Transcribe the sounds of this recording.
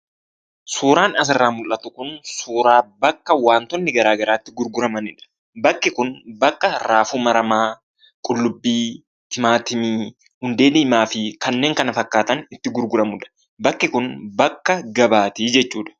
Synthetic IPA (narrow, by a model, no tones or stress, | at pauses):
suːɾaːnɐs̬ɪrːaːmʊlʔɐt̪ʊkʊnsuːɾaːbɐkːɐwaːnt̪ɔnːɪɡɐɾaːɡɐɾaːt̪ːɪɡʊɾɡʊɾɐmɐnɪᶑɐ̥ | bɐkːɪkʊnbɐkːɐɾaːfuːmɐɾɐmaː | kʼʊlːʊbːiː | t̪ʰɪmaːt̪ɪmiː | hʊnd̪e̞ːnɪmaːfɪkɐnːeːŋkɐnɐfɐkːaːt̪ɐnɪt̪ːɪɡʊɾɡʊɾɐmʊᶑɐ̥ | bɐkːɪkʊnbɐkːɐɡɐbaːt̪iːd͡ʒɛt͡ʃːuːᶑɐ̥